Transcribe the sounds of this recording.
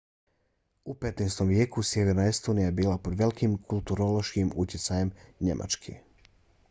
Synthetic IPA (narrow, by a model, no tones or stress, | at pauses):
upe̞t̪neːst̪o̞mʋje̞ːkusje̞ʋeɾnaest̪oːnijaebiːlˠapo̞d̪ʋe̞likimkʰulˠt̪uɾoloʃkimut̪jet̪sajemɲe̞̰mʔa̰t͡ʃkʰḛ